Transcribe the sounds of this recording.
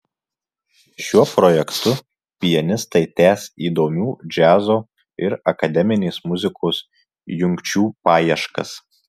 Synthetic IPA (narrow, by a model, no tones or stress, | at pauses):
ʃʲuɔpɾɔjɛkt̪ʊ | pʲɪjɛnʲɪst̪ɐɪt̪ʲæːsiːd̪oːmʲuːd͡ʒʲæːzoː | ɪɾɐkɐd̪ʲɛmʲɪnʲeːsmʊzʲɪkoːs | jʊŋʲkt͡ʃʲuːpɑːjiɛʃkɐ̰s